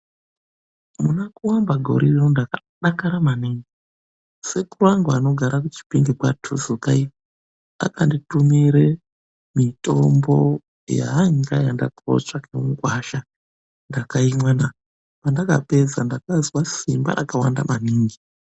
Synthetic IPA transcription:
munakuwambaɡʱo̞̰ɾirondaka | ɗakaɾamaniŋɡi | se̞kuraŋɡwano̞ɡʱaɾakut͡ʃi̥piŋɡikwatʰuzukai | a̰kanditumiɾe | mitʼo̞mbo̰ | ja̰ːŋɡajanda̰ko̰t͡ʂakemuɡwaʃa | ndakaimwana | pandaka̰pe̞zandakazwasimba̰ʔa̰kawanda̰maniːŋɡi

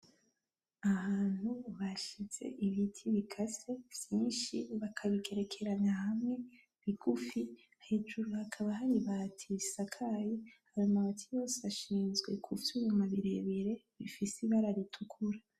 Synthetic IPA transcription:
ahaːn̥huβaʃiz̥e̞̰ʔiβitʰiβikʰase̞v̥jiːnʃiβakʰaβikʰe̞ɾe̞kʰe̞ɾaɲahamŋe̞ | βiɡufi | he̞d͡ʒuɾuhakʰaβaɦaɾiβatʰisakʰajehaɾomaɡatʰijo̞ːseaʃiːnzɡwe̞̰kʰufujumaβiɾe̞βeɾe̞ | βifisiβaɾaɾitʰukʰuɾa

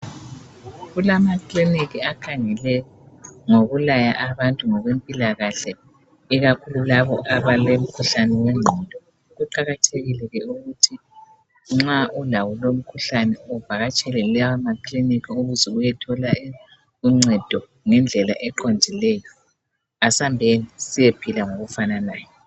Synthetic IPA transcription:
ɣulamakliniɣiakʰaŋɛlɛ | ŋoɣulaja̰ʔaβantʼuŋɔɣwempʼilaɣaɬɛ | iɣakʰululaβɔʔaβalem̩kʰuɬanɛwɛŋ͡ǀʱɛd̥ʱɔ | ɣuǃaɣatʰeɣilɛɣɛuɣutʰi | ŋ͡ǁaʔulawulom̩kʰuɬanɛɔv̥ʱaɣat͡ʃʼɛlɛlɛamakʰlinikʰiuɣuzɛujɛtʰɔla | uŋ͡ǀʱɛd̥ʱɔ | ŋɛnd͡ɮʱɛlaʔɛǃondʱilɛjɔ | asambʱenisijepʰilaŋoɣufananaːjɔ

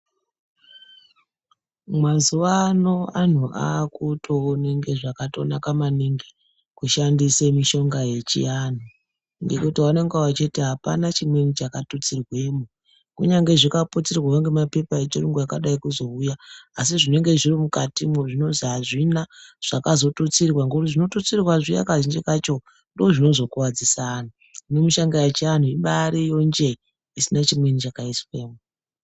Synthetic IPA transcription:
mwazuʋano̞an̤uʔa̰kuto̞ːne̞ŋɡe̞ʐakato̞nakamaniŋɡe | kuʃandisemiʃo̞ŋɡaje̞t͡ʃḭan̤o | ŋɡekutiwaneŋɡawat͡ʃe̞teɦapa̰nat͡ʃimwe̞nit͡ʃakatut͡sirwe̞ːmu | kuɲaŋɡe̞ʐikapot͡sirwawaŋɡemape̞paet͡ʃoɾiŋɡujakaɗaikuzo̞ujaːs̬iʐine̞ŋɡe̞ʐirimukatimweʐino̞ziaʐinaʐ̥akazo̞tot͡sirrwaŋɡekutiʐino̞tot͡sirrwaʐija̰kaʒind͡ʒekat͡ʃo̞ | ndoːʐino̞zo̞kuwad͡zisana | inemuʃaŋɡajat͡ʃean̤uiɓaɾijo̞nd͡ʒe̞ | isinat͡ʃimwenit͡ʃakaiswe̞ːmo

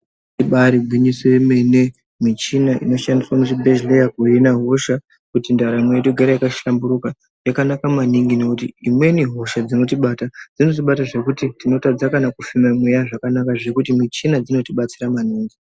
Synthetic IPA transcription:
iɓaɾibʱwiɲiseime̞ne | mit͡ʃinaʔḭno̞ʃandiswamuʐibʱeʒlejakuinaɦo̞ʃa | kutindaɾamwejeɗoɡʱaɾajakaambuɾuka | jakanakamaniŋɡine̞kutiimwe̞niɦo̞ʃad͡zino̞tiɓatad͡zino̞t̬iɓataʐe̞kutitino̞tad͡zakanakufimamwejaʐakanakaʐe̞kutimit͡ʃinad͡zino̞tiɓat͡siɾamaniːŋɡi

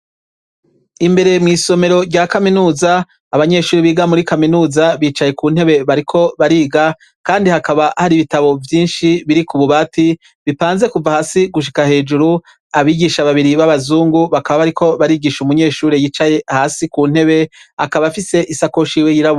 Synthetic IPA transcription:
imbe̞ɾe̞mŋiːso̞me̞ɾo̞ɾɟaːkaminuːzaː | βaɲe̞ːʃuːɾiβiːɡamuɾikaminuːzaβiːt͡ʃaje̞kuːn̥he̞βe̞βaɾikʰo̞βaɾiːɡa | kaːndihakaβahaɾiβitaβo̞vjiːnʃiβiɾikuβuβaːti | βipaːnze̞kuvahaːsiɡuʃ̬i̥kahe̞ːd͡ʒuɾu | aβiːɡiʃaβaβiɾiβaβazuːŋɡuβakaβaβaɾikʰo̞βaɾiːɡiːʃumuɲe̞ːʃuːɾejit͡ʃaje̞haːsikuːn̥he̞βe̞akaβafise̞ʔisakoʃiːwejiɾaβo

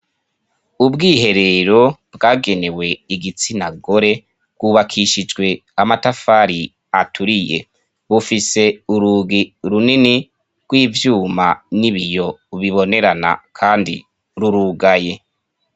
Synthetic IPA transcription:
ubɡiːɦe̞ɾe̞ɾo̞bɡaːɡe̞ne̞we̞iɡit͡sinaɡo̞ɾe̞̥ | ɡwuβakʰiʃid͡ʒɡwe̞amatafaɾi | atʰuɾije̞̰ | βufise̞uɾuɡiɾunini | ɡ̥wiːvjuːmaniβijo̞βiβo̞ne̞ɾana̰kʰaːndḭ | ɾuɾuɡaje̞

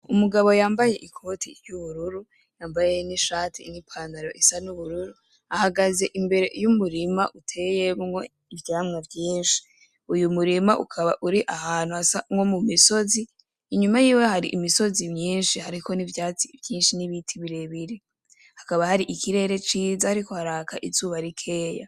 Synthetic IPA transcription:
umuɡaβo̞jaːmbaje̞ʔikʰo̞tʰiɾjuβuɾuɾu | jaːmbaje̞niʃaːtʰḭnipʰandaɾo̞ʔisanuβuɾuɾu | ahaɡaze̞ʔimbe̞ɾe̞ʔjumuɾima̰ʔutʰe̞je̞mŋo̞ | ivjaːmŋavjiːnʃi̥ | ujumuɾimaʔukʰaβa̰ʔuɾiʔahaːn̥uasamŋo̞mumiso̞ziː | ɲumajiːwehaɾiʔimiso̞zimɲiːnʃihaɾikʰo̞nivjaːt͡sivjiːnʃiniβitʰiβiɾe̞βiɾe | hakaβahaɾiʔikʰiɾe̞ːɾe̞t͡ʃiːzahaɾiko̞haɾaːkʰaʔizuːβaɾikʰe̞ːja̰

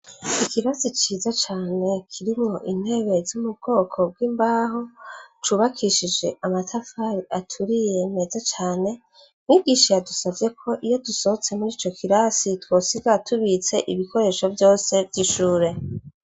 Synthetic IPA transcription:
ikiβazit͡ʃiːzat͡ʃaːne̞kʰiɾimŋo̞ʔin̥he̞ːβe̞zumubɡ̥o̞ːkʰo̞b̚ɡwiːmbaːɦo̞t͡ʃuβakʰiʃid͡ʒe̞ʔamatʰafaɾiʔatʰuɾije̞me̞ːzat͡ʃaːne̞ | miɡiːʃajadusavje̞kʰo̞ʔijo̞duso̞hot͡se̞muɾiːt͡ʃo̞kʰiɾasitwo̞ːsiɡatʰuβit͡se̞ʔiβiko̞ɾe̞ːʃo̞vjo̞ːse̞vjiʃuːɾe̞

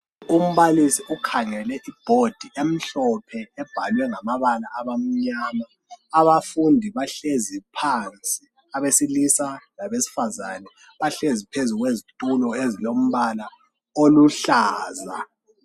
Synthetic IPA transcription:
um̩βalisiʔukʰaŋɛlɛʔib̥ʱod̥ʱiʔem̩ɬɔpʰɛɛb̥ʱalwɛŋamaβalaʔaβam̩ɲaːma | aβafundʱiβaɬezipʰant͡sʼi | aβesilisanaβesi̥fazanɛ | βaɬezipʰezuɣwezitʼulɔezilom̩βala | oluɬaːza

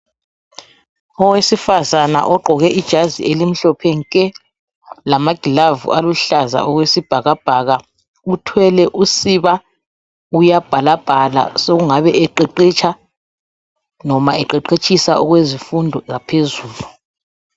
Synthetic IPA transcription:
ɔwesifazana̰ʔɔɡ͡ǃʱɔɣɛʔid̥ʒ̥ʱazḭelim̩ɬɔpʰɛŋkʼɛ | lamaɡ̥ʱilavṵʔaluɬaza̰ɔɣwesib̥ʱaɣab̥ʱaɣa | utʰwɛlɛʔusiβa | ujab̥ʱalab̥ʱala̰soɣuŋaβɛɛǃeǃit͡ʃʼʰa | nɔmaɛǃɛǃet͡ʃʼʰisaɔɣwezifundʱɔɣapʰezuːlu

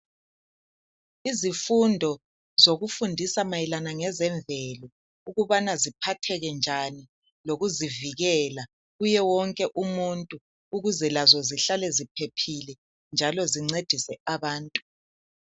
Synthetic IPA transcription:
izifundʱɔ | zoɣufundʱisamajilanaŋɛzɛɱbvɛlɔ | uɣuβanazipʰatʰɛɣɛnd͡ʒʱani | loɣuziviɣɛla | ɣujɛwɔŋkʼɛʔumuntʼuː | ɣuzɛlazɔziɬalɛzipʰepʰilɛ | nd͡ʒʱalɔziŋ͡ǀed̥ʱisɛaβaːntʼu̥

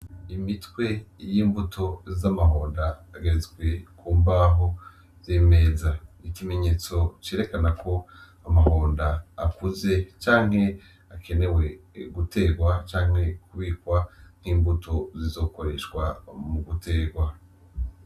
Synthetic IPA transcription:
imitwe̞jiːmbutʰo̞zamaɦo̞ːndaːɡeɾezɡwe̞kʰuːmbaɦo | zeme̞ːzaikime̞ɲe̞ːt͡so̞t͡ʃeːɾe̞kanakʰo̞ | amaho̞ːndaːkuze̞t͡ʃaːŋ̥he̞ | akʰe̞ne̞we̞ɡutʰe̞ɡwat͡ʃaːŋ̥he̞kuβiːkwan̥hiːmbutʰo̞zizo̞ːko̞ɾe̞ʃkwa̰muɡutʰe̞ːɡwa

